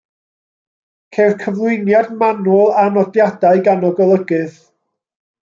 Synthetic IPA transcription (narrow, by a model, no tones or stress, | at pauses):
kʰerkʰəvlˠʊɨnjadmanʊlˠanɔdjadaɨɡanɔɡɔlˠəɡɨð